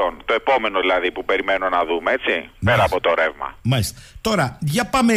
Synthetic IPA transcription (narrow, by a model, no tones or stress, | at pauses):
o̞nt̪o̞e̞po̞me̞noðilɐðipupe̞ɾime̞no̞nɐðumeet͡sipeɾɐːpo̞t̪oɾe̞vmɐ̰mɐlist̪et̪o̞ɾɐʝɐpɐme